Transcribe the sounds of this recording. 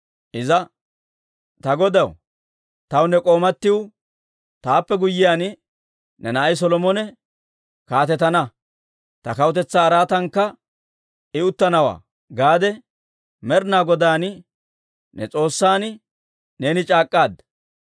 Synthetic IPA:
ʔɪzɐ | t̪ɐɡɔd̪ɐw | t̪ɐwnɛkʼo̞ːmɐt̪ːɪw | t̪aːpːɛɡʊjːɪjaːn | nɛnɐʔɐjs̬ɔlɔmɔnɛ | kaːt̪ɛt̪ɐnɐ | t̪ɐkɐwʊt̪ɛt͡sːaːɾaːt̪ɐŋkːɐ | ɪʊt̪ːɐnɐwa̰ː | ɡaːd̪ɛ | mɛɾnaːɡɔd̪aːn | nɛ̰t͡sʼo̞ːsːaːn | ne̞ːnɪt͡ʃʼaːkʼːaːd̪

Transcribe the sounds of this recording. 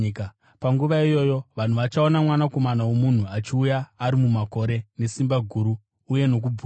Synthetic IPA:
k | paŋɡuʋaijo̞jo̞ʋan̤uʋat͡ʃao̞namwanako̞manawo̞mun̤uat͡ʃiujaːɾimumako̞ɾe̞ne̞simbaɡʱuːɾuː | je̞no̞k̬uu

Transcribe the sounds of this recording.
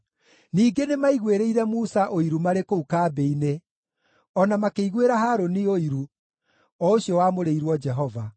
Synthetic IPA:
niːɡenemaiɣweɾeiɾɛmusaʔoiɾumaɾekoukaːbeine | ɔnamakeiɣweɾaɦaɾonioiɾu | ɔoɕjɔwamoɾeiɾwɔd͡ʒɛɦɔva

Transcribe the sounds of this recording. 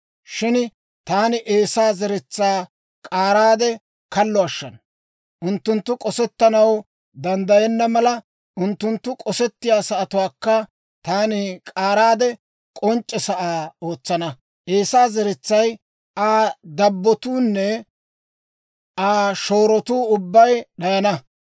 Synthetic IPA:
ʃɪn | t̪aːnɪʔeːsaːzɛɾɛt͡sːaː | kʼaːɾaːd̪ɛ | kɐlːɔɐʃːɐn | ʔʊnt̪ːʊnt̪ːʊkʼɔsɛt̪ːɐnɐw | d̪ɐnd̪ɐjɛnːɐmɐlɐ | ʔʊnt̪ːʊnt̪ːʊkʼɔsɛt̪ːɪjaːsɐːt̪ʊwaːkːɐ | t̪aːnɪkʼaːɾaːd̪ɛ | kʼɔnt͡ʃʼːɛsɐʔaːo̞ːt͡sːɐnɐ | ʔeːsaːzɛɾɛt͡sːɐj | ʔaːd̪ɐbːɔt̪uːnːɛ | aːʃo̞ːɾɔt̪uːʊbːɐjɗɐjɐnɐ

